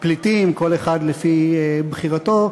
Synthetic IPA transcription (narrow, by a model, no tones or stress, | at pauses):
plitimkoleχad̪lefibχiʁato